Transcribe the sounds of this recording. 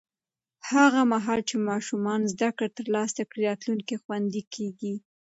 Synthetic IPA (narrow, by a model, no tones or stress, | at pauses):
haɣamaɦɑlt͡ʃemɑʃumɑnzd̪akɽat̪əɾlɑsakɽiɾɑt̪luŋkixwand̪ikʰeɡi